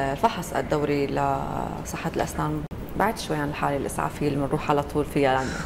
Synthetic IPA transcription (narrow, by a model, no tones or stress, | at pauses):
lfɑħɑsˤʔa̰d̪ːawɾilasˤɨħːɑlʔa̰snaːn | baʕiːd̪ʃwajːaʕanɪlħa̰ːlilʔɪ̰sʕa̰ːfɪjːlmɪnɾuːħʕalat̪ˤʰuːlfijaland̪a